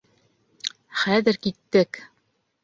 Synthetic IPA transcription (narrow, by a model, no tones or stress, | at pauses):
χæðɘɾkit̪ːɘk